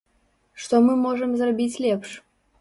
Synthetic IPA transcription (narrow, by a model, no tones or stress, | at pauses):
ʃt̪omɨmoʒə̆mzɤrbʲit͡sʲlʲepʃ